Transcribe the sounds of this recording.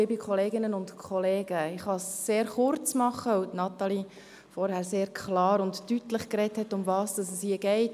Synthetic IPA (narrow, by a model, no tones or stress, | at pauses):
ɪbikʰɔleːɡɪnənʊntkʰχɔleːɡəɪχhɑsːeːɾχʊɾt͡smɑχəutnɑt̪ɑli | fɔɾhæɾseːɾkʰlɑːɾʊntːytləχkɾɛthɛtʊmvɑːsd̥ɑsəshiəɡɛɪt